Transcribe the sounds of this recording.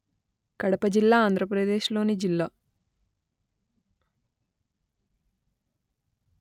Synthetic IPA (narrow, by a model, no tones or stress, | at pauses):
kɐɽɐpɐd͡ʒilːaːaːnd̪ʱɾɐpɾɐd̪e̞ːʃlo̞ːnid͡ʒilːaː